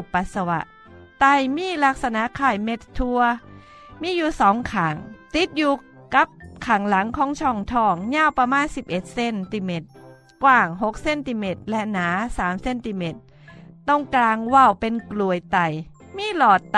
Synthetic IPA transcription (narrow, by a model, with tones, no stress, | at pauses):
pa˨˧˦t̪̚sa˧wa̰˧ʔ | t̪a˧˩jmiː˧˥˨la˧˥k̚sa˧na˧˥ʔkʰaː˧˩jme˧˥t̪ʰːu˧ɐ | miː˧˥˨juː˧˩sɔː˨˦ŋkʰaː˨˩ŋt̪i˨˦t̪̚juː˧ | ka˧˦˥p̚kʰaː˨˩ŋla˨˦ŋkʰɔː˨˦ŋt͡ɕʰɔ˧˩ŋt̪ʰɔː˧˩ŋɲaː˧˥˨wpa˧maː˧˥˨nsi˧˦p̚ʔe˨˧˩t̪̚se˧˨nt̪i˧me˧˩t̪̚ | kwaː˧˩ŋɦo˧˥k̚se˧˥˨nt̪i˧˩me˧˩t̪̚lɛ˧˥ʔnaː˨˦saː˩˦mse˧˨nt̪i˧˩me˧˩t̪̚ː | ɔ˧˥˩ŋklaː˧ŋwa˧˩˨wpe˧nklu˧˩əjt̪a˧˩j | miː˧˥˨lɔː˨˩t̪̚ː